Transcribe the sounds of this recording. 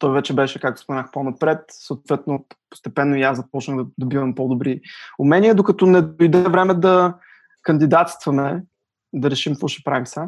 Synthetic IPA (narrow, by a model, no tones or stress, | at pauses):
t̪ɔjvɛt͡ʃɛbɛʃɛkakt̪o̥spomɛnaxponɐpɾɛt̪səot̪vɛt̪nopo̥st̪ɛpɛnːoijazɐpɔt͡ʃnəɣd̪ɐd̪obivɐmpod̪obɾiʊmɛniɛd̪okɐt̪ɔnɛd̪ojd̪ɛvɾɛmɛd̪ɐ | kɐnd̪id̪at̪st̪vəmɛ | d̪ɐɾɛʃimfuʃəpɾajmsə